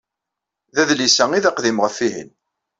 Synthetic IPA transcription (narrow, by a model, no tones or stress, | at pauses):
ðæðlisæŋiðæqðimʁəfːiɦḭn